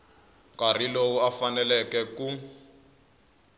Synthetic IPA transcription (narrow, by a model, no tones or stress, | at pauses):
kar̤ilowuafanɛlɛkɛku